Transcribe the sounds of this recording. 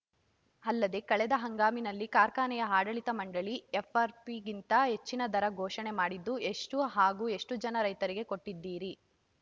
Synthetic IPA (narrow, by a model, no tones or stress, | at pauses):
ɐlːɐd̪e̞kɐɭɛd̪ɐɦɐŋɡaːminɐlːikaːɾkaːnɛjɐɦaːɖɐɭit̪ɐmɐɳɖɐɭiefʰaːɾpiɡint̪ɐɦe̞t͡ʃːinɐd̪ʱɐɾɐɡʱɔːʃɐne̞maːɽid̪ːue̞ʂʈuɦaːɡuːe̞ʂʈud͡ʒɐnɐɾɐjt̪ɐɾiɡe̞ko̞ʈːid̪ːiːɾi